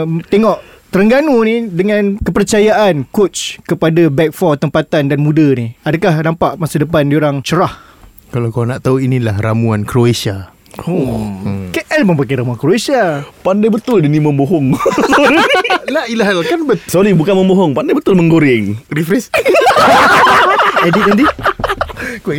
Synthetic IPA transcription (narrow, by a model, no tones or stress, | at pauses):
t̪eŋɔʔ | t̪əɾəŋɡanunidəŋãnkəpərt͡ʃajaʔankott͡ʃkəpadabɛk̚fɔt̪əmpat̪andanmũdaniadakahnãmpaʔmasadəp̬andioɾaŋt͡ʃəɾah | kalawkanaʔt̪auinĩlahramuankɾoasa | o | keʔɛlmə̃mpakaɾamuankɾoesiapandajbət̪ʊldinimə̃mboɦɔŋ | lailaɦalkanbəsoɾibukanmə̃mboɦɔŋpandajbət̪ʊlməŋɡoɾɪŋrifɾɛs | ɛdit̪̚andi | k